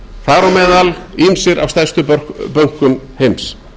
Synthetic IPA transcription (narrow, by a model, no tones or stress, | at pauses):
θaːɾɔmɛːðalimsɪɾʔa̰vst̪ajst̪ʏpœpœŋ̥kʏmhejms